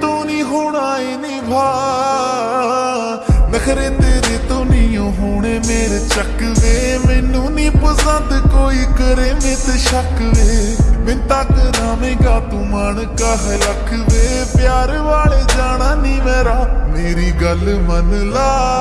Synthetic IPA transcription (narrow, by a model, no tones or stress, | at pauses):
t̪oːniːɦoːɽaːeːniːbʱaː | nəkʰɾẽːnd̪eːɾeːt̪oːnijõːɦoːɳeːmeːɾet͡ʃək | ʋeː | meːnũːniːpəsənd̪koːiːkəɾeːmẽːt̪ʃəkʋeːmɪ̃nt̪aːkənaːmẽːɡaːt̪ũːmaːnkaːɦeləkʰʋeː | pɪjaːɾʋaːleːd͡ʒaːɽaːniːmeːɾaːmeːɾiːɡəlmənlaː